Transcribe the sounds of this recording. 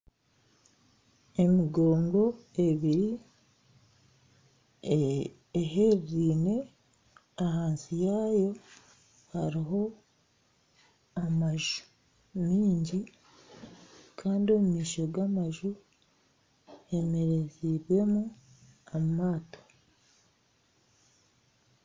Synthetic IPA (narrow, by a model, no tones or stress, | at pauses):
e̞miɡoːŋɡo̞e̞βiɾi | eɦeɾɾiːne̞ | ahaːnsijaːjo̞ | haɾiɦo̞ | amaʒu̥ | miːɲɟi | kʰaːndio̞mumiːʃo̞ɡamaʒu | e̞me̞ɾe̞ziːβwe̞muamumaːto̥